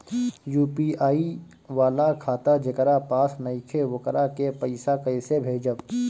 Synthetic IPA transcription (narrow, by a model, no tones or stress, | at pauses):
juːpiʔaːi | ʋaːlakʰaːt̪ad͡ʒəkəɾapaːsnɐikʰeʋʊkəɾakepəɪsakɐɪsebʱeːd͡ʒəʋ